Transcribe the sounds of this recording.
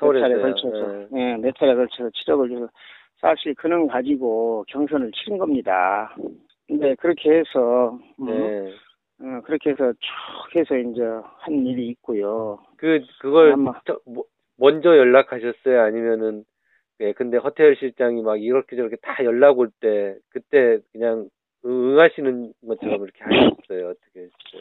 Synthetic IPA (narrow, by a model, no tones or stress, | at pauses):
aɾekʌɭt͡ɕʰesʰʌje̞netʰaɾekʌɭt͡ɕʰesʰʌt͡ɕʰid͡ʑʌɡɯɭʰesʰʌ | sʰaɕʰiɾkɯnɯnkad͡ʑiɡokjʌŋsʰʌnɯɭt͡ɕʰiɾinɡʌmɲida̰ | nde̞kɯɾʌkʰe̞hesʰʌ | ʌkɯɾʌkʰe̞esʰʌt͡ɕoɡe̞sʰʌind͡ʑehanːiɾiːk̚k͈ojo | kɯkɯɡʌɭmt͡ɕʌ | mʌnd͡ʑʌjʌɭːakʰaɕʰʌs͈ʌjoaɲimjʌnɯn | je̞kɯnde̞ɸʌtʰeɭɕʰiɭt͡ɕ͈aŋimaɡiɾʌɭkʰed͡ʑʌɾʌkʰetajʌɭːaɡoɭt͈e̞kɯt͈e̞kɯɲaŋ | ɯɯŋɦaɕʰinɯnɡʌt̚t͡ɕʰʌɾʌmiɾʌkʰe̞haɕʌs͈ʌjoʌt͈ʌkʰeesʌo